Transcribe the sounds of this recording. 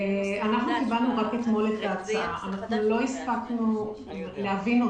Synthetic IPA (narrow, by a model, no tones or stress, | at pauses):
anaχnukibalnuʁaket̪mo̞let̪aːt͡saaʔanaχnulo̞ispaknu | leavino